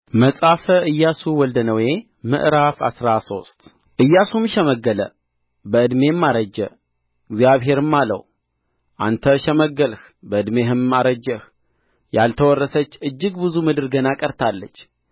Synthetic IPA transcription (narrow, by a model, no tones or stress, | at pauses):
məsʼafəʔɨjːasuwɔld̪ənəwje̞ | mɨ̰ʔɾafa̰sɾaso̞st̪ | ʔɨjːasumʃɛməɡːələ | bəɨd̪me̞mːaɾəd͡ʒːə | ɪɡzijaβɦe̞ɾɨmːalə̰w | ʔa̰nt̪ʰəʃɛməɡːəlh | bəɨd̪me̞ɦɨmaɾəd͡ʒːəh | jalt̪ʰəwɔrːəsət͡ʃːɨd͡ʒːɨɡbɨzumɨd̪ɨɾɡənakʼəɾt̪ʰalːət͡ʃː